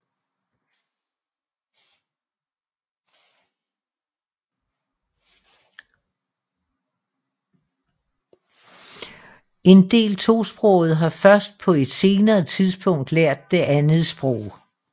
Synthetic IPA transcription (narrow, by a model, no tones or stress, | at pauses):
e̝nd̥e̝̰ːlt͡sʰo̝̰ːsb̥ʁɔʊð̞̩ˠɦɑ̈fɶɐsd̥̚pʰɒ̽e̝d̥se̝ːnɐːt͡sʰiðˠsb̥ɔ̽ŋ̰d̥leɐ̰d̥̚ːe̝ʔænð̩ˠsb̥ʁɔ̰ʊ̰